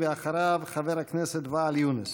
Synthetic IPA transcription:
vəaχaɾavχavɛɾhaknɛsɛtvaːljunɪs

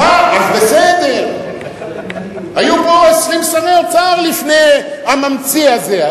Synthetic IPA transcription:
aazbe̞sed̪e̞ʁ | hajupo̞esʁimʃaneot͡saʁlifne̞jamamt͡siaze̞

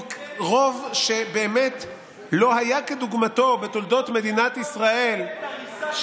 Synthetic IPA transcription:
ʁovʃe̞be̞ːmet | lo̞ɦajake̞d̪uɡmato̞be̞t̪o̞ld̪o̞t̪me̞d̪inat̪isʁae̞l | ʃ

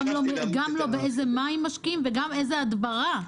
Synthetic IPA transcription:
mlomeɡamlo̞beejzemaimːaʃkimveɡamejzead̪baʁa

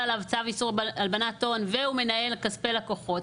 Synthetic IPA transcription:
alavt͡savisuʁalbanat̪o̞nveume̞nae̞lkaspelako̞χo̞t

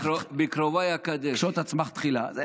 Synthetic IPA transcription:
obikɾovajakad̪eʃot̪at͡smaχt̪χila̰zɛ

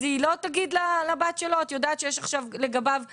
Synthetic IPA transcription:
zilo̞t̪aɡid̪lalabat̪ʃeloat̪jod̪aːt̪ʃejɛʃaχʃavleɡabav

